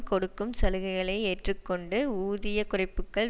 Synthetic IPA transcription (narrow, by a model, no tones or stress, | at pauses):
kɔɽɯkːɯmsɐlɯɣɐɪɣɐɭɐɪeːʈrɯkːɔɳɖɯuːðɪjɐkʊrɐɪpːɯkːɐɭ